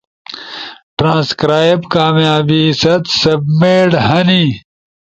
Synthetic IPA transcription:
ʈɾãːskɾaːbkaːmjaːbisɐt̪sɐbmeːɽhɐni

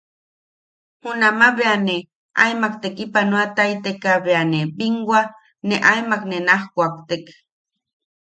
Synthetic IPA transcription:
hunamaβeane | a̰jmak̚t̪ekipanuat̪ajt̪ekaβeanebiŋɡwa | neʔajmaknenahkʷak̚t̪ek

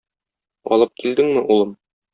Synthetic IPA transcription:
ɒ̰lˠɤp̚kild̪ɘŋmɘʔulˠɤm

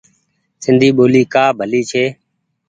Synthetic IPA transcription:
sɪnd̪ʱiːɓoːliːkaːbʱəliːt͡ʃʰeː

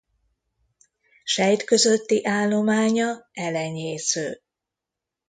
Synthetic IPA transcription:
ʃɛjt̪kø̞zøt̪ːiʔaːlːo̞maːɲɒɛlɛɲeːsøː

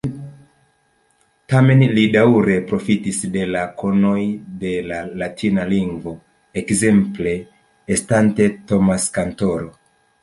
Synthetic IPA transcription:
tame̞nlidawɾe̞pɾo̞fitisde̞lakʰo̞no̞jde̞lalatʰinaliŋɡvo̞ | ekze̞mple̞ː | stante̞to̞maskanto̞ɾo̞

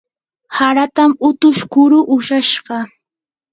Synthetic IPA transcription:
haɾat̪amʊt̪ʊʃkʊɾʊʔʊʃaʃɢɑ

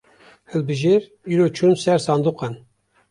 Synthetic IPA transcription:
hɨlbɨʒeɾ | iːɾoːt͡ʃʰumsɛɾsɑːnd̪uqɑn

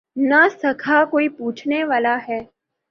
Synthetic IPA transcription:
nɐsɐkʰakoːipuːt͡ʃʰneʋaːlaɦɛː

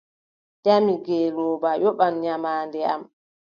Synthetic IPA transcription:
tamiɡɛlɔːbajɔɓanɲamaːndɛa̰m

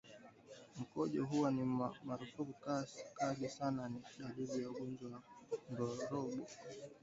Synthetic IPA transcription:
m̩kɔʄɔɦuwanimamaɾufukukasi̥kaɗisananiɗaɗiɗijauɡɔnd͡ʒawandɔɾɔɓɔ

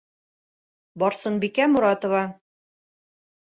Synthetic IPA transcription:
bɒɾsɤnbikæmuɾɑt̪ŏvɑ

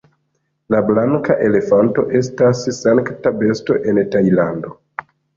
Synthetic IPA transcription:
lablaŋkaʔe̞le̞fanto̞̰ʔe̞s̬tasːaŋktabe̞sto̞ʔe̞ntajlando̞

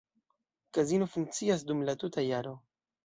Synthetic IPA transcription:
kazinofuŋk̚t͡sias̬dumlatutajaɾo̞

